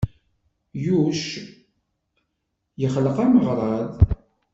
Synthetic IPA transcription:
juʃ | jəχləqæməʁɾˤɑðˤ

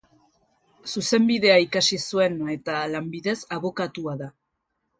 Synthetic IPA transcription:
suse̞mbiðe̞aikasisue̞ne̞t̪alambiðe̞saβo̞kat̪uaða

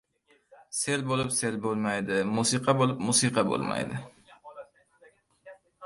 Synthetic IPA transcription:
se̞lbolɪpse̞lbolˠmajd̪ɪmusɨqʰɑbolˠɪpmusɨqʰɑbo̰lˠma̰jd̪ɪ

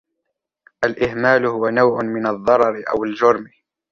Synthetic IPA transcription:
ʔalʔɪhmaːlʊhʊwanawʕʊnmɪnɑðˤːɑɾˤɑɾɪʔa̰wald͡ʒʊɾˤm

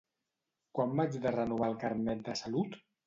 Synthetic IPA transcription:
kwambad͡ʒðərənuβ̞alˠkaɾnɛt̪̚d̪əsalut̪

